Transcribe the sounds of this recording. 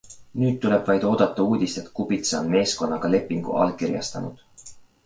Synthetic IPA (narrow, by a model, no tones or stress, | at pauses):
nyːd̪̚t̪ːule̞b̥vɑjd̪̥o̞ːd̪̥ɑt̪ˑːɑuːd̪̥ʲist̪e̞t̪kubit̪seonme̞ːsko̞nːɑɡ̥ɑle̞pːˑiŋɡ̥ṵʔɑ̰lkirjɑ̰st̪ɑ̰nṵd̪̥